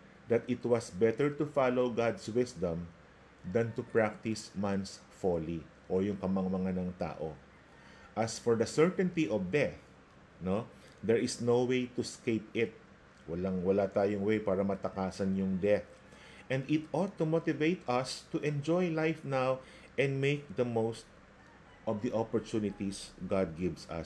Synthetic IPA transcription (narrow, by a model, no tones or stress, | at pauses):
d̪ɐt̪ɪt̪wɐsbɛt̪ɛɹt̪ʊfalowɡad̪swɪsd̪ɐ̃m | d̪ɐ̃nt̪ʊpɹak̚t̪ɪsmãns | foli | ʔojʊŋkɐmɐŋmɐŋanɐŋt̪a̰ːʔo | ʔɐsfɔɹd̪ɐsɛɹt̪ɛ̃nt̪iʔɔvd̪ɛθ | no | d̪ɛɹɪsnowwejt̪ʊɛskejpɪt̪̚ | wɐlɐŋwɐlat̪aːjʊŋwejpaːɾɐmɐt̪ɐkaːsɐnjʊŋd̪ɛθ | ʔɛ̃nd̪ɪt̪ɔd̪̚t̪umot̪ɪvejt̪ɐst̪ʊʔɛ̃nd͡ʒojlajfnaw | ʔɛ̃nd̪mejk̚d̪ɐmowst̪̚ | ʔɔvd̪iʔopɔɹt̪unɪt̪isɡad̪̚ɡɪvsɐ̰